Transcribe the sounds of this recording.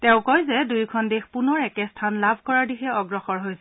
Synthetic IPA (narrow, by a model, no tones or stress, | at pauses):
tɛ̃ʊ̃kɔjzɛdujkʰɔndexpunɔɹɛkɛstʰanlabʱkɔɹaɹdixɛɔɡɹɔxɔɹɦojsɛ